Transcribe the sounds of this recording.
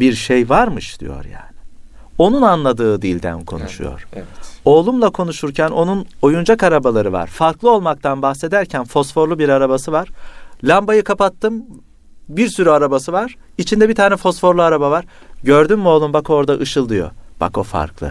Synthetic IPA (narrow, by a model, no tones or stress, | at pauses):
biɾʃejvaɾmɯʃd̪̥ḭjo̰ɾja̰ːnɪ | o̞nunanlˠad̪ɯːd̪ilʲd̪æ̰nkʰo̞̰nṵʃṵjo̰ɾ̥ɛo̞ːlˠumlˠakʰo̞nuʃuɾcʰæno̞nuno̞jund͡ʒakaɾabalˠaɾɯva̰ɾ̥faɾklˠɯo̞lˠmak̚t̪ʰanbaxse̞d̪æɾcʰænfo̞sfo̞ɾlˠubiɾaɾabasɯvaɾ̥lʲambajɯkʰapat̪ʰːɯm | biɾsyɾyaɾabasɯvaɾ̥ | it͡ʃʰind̪ɛbit̪ʰaːnɛfo̞sfo̞ɾlˠuaɾabavaɾ̥ɟøɾd̪ymːio̞lˠumbako̞ɾd̪aʔɯʃɯlˠd̪ɯjo̞̰b̥a̰ko̞fa̰ɾklˠɯ̰